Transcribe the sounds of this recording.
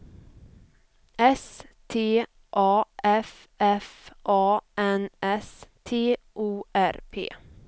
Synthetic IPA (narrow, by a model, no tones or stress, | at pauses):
ɛst̪ʰeː | ʔɑːʔɛf | ʔɛfʔɑːʔɛnʔɛst̪ʰeːʔuːʔæɾpʰḛː